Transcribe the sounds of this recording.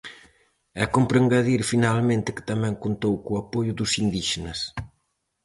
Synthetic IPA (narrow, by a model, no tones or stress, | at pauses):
ɛ̰kompɾeŋɡaðiɾfinalmẽnt̪ɪkɪ̥t̪amɛ̃ŋkont̪owkuapojʊðusind̪iʃenɐs